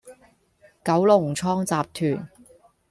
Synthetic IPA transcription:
kɐ˨˥wlʊ˨˩ŋ̩˩t͡sʰɔː˥ŋt͡saː˨p̚t̪ʰyː˨˩n

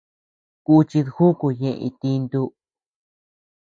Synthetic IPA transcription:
ku˦˧t͡ʃi˧ðxu˦ku˧ɲẽ˧ḭ̃˧t̪i˧nd̪u˧

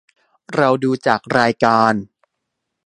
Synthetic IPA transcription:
ɾa˧wduː˧t͡ɕaː˨˩k̚ɾaː˧jkaː˧n

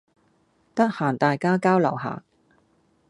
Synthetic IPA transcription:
t̪ɐ˥k̚haː˨˩nt̪aː˨jkaː˥kaː˥wlɐ̰˨˩wɦa̰ː˨˩k̚

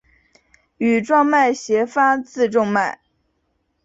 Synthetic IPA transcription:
y˨˩ʈ͡ʂwɑ˥˧ŋma˥˩ɪɕjɛ˧˥fa˥t͡sɹ̩˥˧ʈ͡ʂʊ˥˧ŋma˥˩ɪ

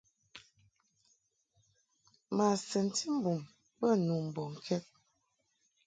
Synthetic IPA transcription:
ma˨sə˨n˨tʰi˦m̩˦bu˨m | bə˦˨nu˨m̩˨bɔ˨ŋ̩˨kʰɛ˦t̚

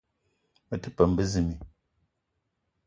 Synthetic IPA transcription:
mə˨tɨ˦pə˨m˦bə˦zɨ˦˨mi˨

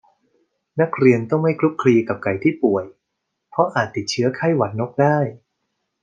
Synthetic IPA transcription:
na˦˥k̚ɾi˧ənt̪ɔ˥˩ŋma˥˩jkʰlu˦˥p̚kʰɾiː˧ka˨˩p̚ka˧˩jt̪ʰiː˥˩pu˨˩əj | pʰɾɔ˦˥ʔaː˨˩t̪ːi˨˩t̪̚t͡ɕʰɯ˦˥ɐkʰa˥˩jwa˨˦˥t̪̚no˦˥k̚daː˥˩j

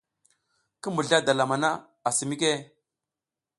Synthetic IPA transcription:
kə˦mu˨ɮa˦da˨la˨ma˨na˦ | a˨si˨mi˦k̬e˦

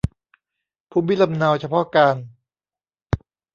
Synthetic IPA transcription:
pʰuː˧˥˩mi˦˥la˧mna˧wt͡ɕʰa˧pʰɔ˦˥ʔkaː˧n

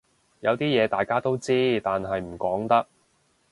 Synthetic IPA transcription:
jɐ˨˧wt̪iː˥jɛː˨˧t̪aː˨jkaː˥t̪o˥wt͡siː˥t̪aː˨nɦɐ˨jm̩˨˩kɔː˨˥ŋt̪ɐ˥k̚

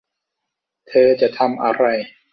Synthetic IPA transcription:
t̪ʰɤː˧t͡ɕa˨˩ʔt̪ʰa˧mʔa˧ɾa˧j

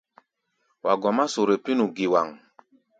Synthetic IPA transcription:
wʔa˨ɡɔ˨ma˦su˨ɾe˨pi˦nu˨ɡi˨wa˨ŋ

